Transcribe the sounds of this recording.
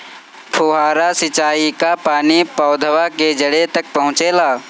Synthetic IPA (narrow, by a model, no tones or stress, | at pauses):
pʰoːɦaːɾasɪt͡ʃaːikapaːnipɔʊd̪ʱəwaked͡ʒəɽet̪ɐk̚pɐɦʊ̃t͡ʃeːlaː